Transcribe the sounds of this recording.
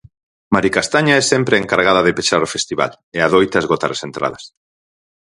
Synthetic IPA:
maɾikast̪aɲaɛsɛmpɾeeŋkaɾɣaðaðɪpeʃaɾofest̪iβa̰l | eaðojt̪azɣot̪aɾasent̪ɾa̰ðɐs

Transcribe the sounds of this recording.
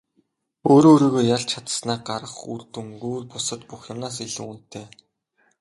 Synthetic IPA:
oːɾoːɾiːɣoːjaɮt͡ɕʰat̪ə̥̆snaːɢaɾə̆χṵrt̪ŭŋɡuːrpʊsə̆t̪puxjʊmnaːs̬iɮŭun̥t̪ʰːeː

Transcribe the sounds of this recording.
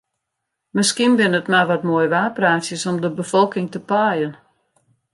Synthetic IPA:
mɪskinbɪnətmaʋɔtmoəjʋaːpraːsjəsɔmdəbəfɔlˠkɪŋtəpaːjən

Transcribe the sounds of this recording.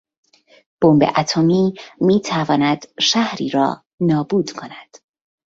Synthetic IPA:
b̥ombḛʔæt̪ʰomiːmiːt̪ʰævɒːnæd̪̥ʃæhɾḭːɾɒ̰ː | nɒːbuːd̪̥kʰonæd̪̥

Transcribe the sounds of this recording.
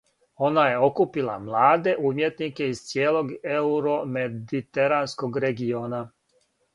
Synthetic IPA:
o̞naje̞o̞kupilˠa̰mlˠaːd̪e̞ʔuːmje̞t̪nikeiz̥t̪sjeːlˠo̞ɡeuɾomed̪it̪eɾanskoɡɾeɡio̞ːna

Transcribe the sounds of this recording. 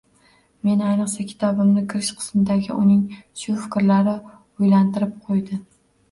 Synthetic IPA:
me̞najnɨqsakʲʰɪ̥t̪ʰɒbɪmnɪkʲʰɪɾɪʃqʰɨ̥smɪd̪aɡʲɪ̰ʔʊnɪŋʃʊfɪ̥kʲɾlaɾɪ | ojlant̪ɪɾɪp̚qʰojd̪ɪ

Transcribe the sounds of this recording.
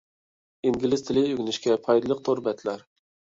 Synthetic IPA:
iŋɡʲilɪzt̪ʰɪlɪyɡʲnɪʃkʲɛpʰɑjd̪ɨlˠəq̚t̪ʰoɾbɛt̪ʰlæɾ

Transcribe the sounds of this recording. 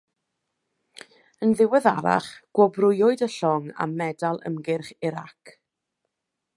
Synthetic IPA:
ənðɪwɛðaɾa̰χɡ̥wɔbrʊjɔɨdəɬɔŋa̰mːɛdalˠə̰mɡɪrχɪɾa̰kʰ

